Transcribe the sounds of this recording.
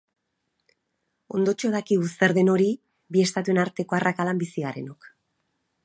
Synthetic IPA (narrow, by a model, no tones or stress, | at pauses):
o̞̰nd̪o̞t͡ʃo̞ðakiɣust̪e̞ɾðeno̞ɾi | bie̞st̪at̪ue̞naɾt̪e̞ko̞arʔakalambisiɣaɾe̞̰no̞k